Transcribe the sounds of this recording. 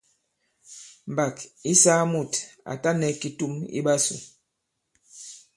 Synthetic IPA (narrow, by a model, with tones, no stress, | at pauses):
m̩˨ba˨ki˦sa˦mu˦˨ta̰˨ta˦nɛ˨ki˨tu˦mḭ˦ɓa˦sṵ˨